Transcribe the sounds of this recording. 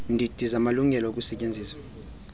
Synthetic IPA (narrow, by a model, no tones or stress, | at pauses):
ndʱid̥ʱizamaluŋʱɛlɔokʼusɛcʼend͡zʱiːsḁ